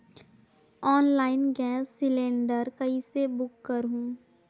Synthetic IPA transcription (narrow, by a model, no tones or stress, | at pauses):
ɔːnlaːɪnɡɛ̃ːsːɪlẽːɳɖəɾkɐisebʊkːəɾɦũː